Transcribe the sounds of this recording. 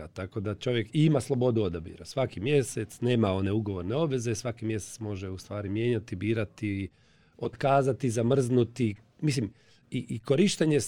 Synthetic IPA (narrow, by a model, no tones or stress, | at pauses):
at̪ako̞d̪at͡ʃo̞ʋje̞kiimaslˠo̞bo̞d̪uod̪abḭːɾasʋakimje̞set̪sne̞ːmao̞ne̞uɡo̞ʋo̞ɾneo̞bʋe̞ze̞sʋakimjeset̪smo̞ʒeust̪ʋaːɾimje̞ːɲat̪ibiːɾat̪i | ot̪kaːzat̪izamr̩znut̪i | mislim | iʔiko̞ɾiʃt̪eɲes